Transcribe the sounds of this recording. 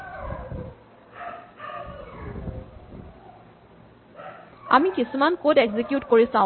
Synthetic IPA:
amikisumankodeɡzikjutkoɹisã

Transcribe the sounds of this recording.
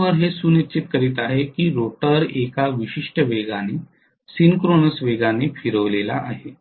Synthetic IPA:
ʋəɾɦesuːnit͡ɕit̪̚kəɾiːt̪aɦekiːɾoʈəɾekaʋiɕiʂʈəʋeɡane | siŋkɾonəsʋeɡanefʰiɾəʋlela̰ʔaɦe

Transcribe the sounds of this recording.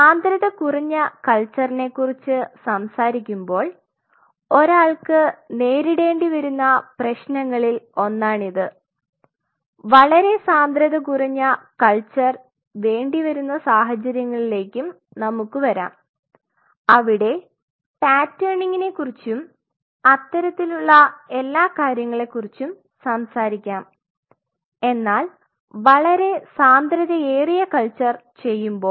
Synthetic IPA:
saːnd̪ɾɐðɐkuriɲːɐkɐɭt͡ɕːɐrine̞kːurit͡ɕːɨsɐmsaːɾikʲːumbo̞ːɭ | o̞ɾaːɭkɨne̞ːɾiɽe̞ːɳɖiʋɐɾunːɐprɐɕnɐŋːɐɭilo̞nːaːɳiðɨ | ʋɐɭɐɾe̞saːnd̪ɾɐðɐkuriɲːɐkɐɭt͡ɕːɐr | ʋe̞ːɳɖiʋɐɾunːɐsaːɦɐt͡ɕːɐɾjɐŋːɐɭile̞ːkʲːum | nɐmukːɨʋɐɾa̰ːm | ɐʋiɽe̞ | paːtːeːɳiŋːine̞kːurit͡ɕːum | ɐt̪ːɐɾɐt̪ːiluɭːɐe̞lːaːkaːɾjɐŋːɐɭe̞kːurit͡ɕːum | sɐmsaːɾikʲːaːm | e̞nːaːl | ʋɐɭɐɾe̞saːnd̪ɾɐðɐeːrijɐkɐɭt͡ɕːɐrt͡ɕe̞jːumbo̞ː

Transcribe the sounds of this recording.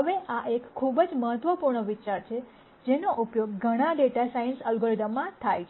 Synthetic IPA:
ɦəʋeʔaʔekʰːubd͡ʒməɦət̪ʋəpuɾɳəʋit͡ʃaɾt͡ʃʰe | d͡ʒenoʔupjoɡɡʱəɽ̃ãɖeʈasajənsəlɡoɾid̪əmːãt̪ʰajt͡ʃʰe

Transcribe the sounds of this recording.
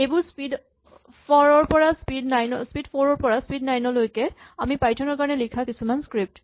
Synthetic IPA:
ejbʊɹspid | pʰɔɹɔɹpɔɹaspidnajnɔspidpʰɔɹɔɹpɔɹaspidnajnɔlojkɛ | amipajtʰɔnɔɹkaɹɔnɛlikʰakisumanskɹip̚t

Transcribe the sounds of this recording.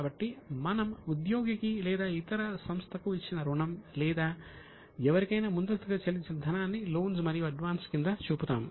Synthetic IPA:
bɐʈːimɐnɐmud̪joːɡikilɛːd̪aːit̪ɐɾɐsɐmst̪ʰɐkuit͡ʃːinɐɾuɳɐmlɛːd̪aː | ɛʋɐɾikɐjnaːmund̪ɐst̪uɡɐt͡ʃɐlit͡ʃːinɐd̪ʱɐnaːnːilo̞ːns̬mɐɾijuɐɖʋaːnskind̪ɐt͡ʃuːput̪aːm

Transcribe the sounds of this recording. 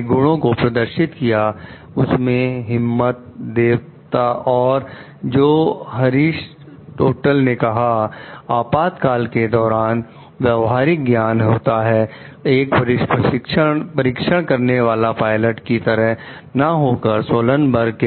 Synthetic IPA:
ɡʊɽ̃õkopɾɐd̪əɾʃɪt̪kija | ʊsmẽɦɪmːət̪̚d̪eːw | t̪aʔɔːɾ | d͡ʒoːɦɐɾiːʃ | ʈoːʈəlnekɐɦaaːpaːt̪kaːlked̪ɔːɾaːn | ʋjɐʋɦaːɾɪk̚ɡjaːnɦoːt̪aɦɛː | eːkpɐɾɪʃpəʃɪkʃə̃pɐɾɪkʃəɽ̃kɐɾneʋaːlapaːɪləʈkit̪ɐɾəɦnaɦoːkəɾsoːlənbəɾke

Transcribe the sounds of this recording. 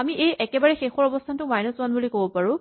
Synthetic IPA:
amiʔejʔɛkɛbaɹɛxexɔɹɔbɔstʰantʊmajnɔswanbulikobɔpaɹʊ̃

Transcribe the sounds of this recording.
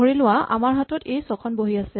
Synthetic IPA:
oɹilʊwaʔa̰maɹɦatɔtejsɔkʰɔnboɦiasɛ

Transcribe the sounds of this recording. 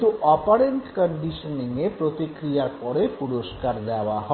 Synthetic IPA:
t̪uʔɔpaɾeɳʈkɔɳɖiʃoniŋepɾot̪ikɾijapɔɾepuɾoʃkaɾd̪aoaɦɔ

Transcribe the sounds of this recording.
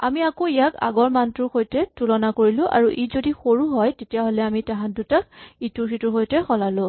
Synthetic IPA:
amiakoijaka̰ɡɔɹmantʊxojtɛtulɔnakoɹilʊ̃ʔa̰ɹuʔizodixoɹuɦɔjtetijaɦolɛamitaɦãndutakituɹsitʊɹxojtɛxɔlalʊ̃

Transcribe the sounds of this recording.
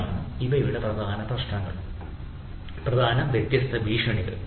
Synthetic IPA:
iʋɐjuɭɐprɐd̪ʱaːnɐprɐʂʈɐŋːɐ̰ɭ | prɐd̪ʱaːnɐmʋet̪jɐst̪ːɐʋiːʂɐɳiðɐ̰

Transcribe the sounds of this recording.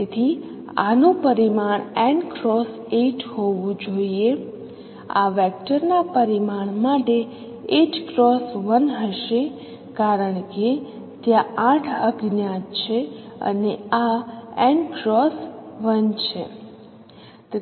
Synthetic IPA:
et̪ʰi | a̰nopəɾimaɳɛɳɖkɾɔs | eʈhoʋũd͡ʒoie | a̰ʋɛk̚ʈəɾnapəɾimaɳ̃maʈe | ed͡ʒkɾɔsʋənɦəʃe | kaɾəɳke | t̪jããʈʰəɡnjat̪t͡ʃʰeə̰neaɛ̃ɳɖkɾɔsʋənt͡ʃʰḛ | t̪

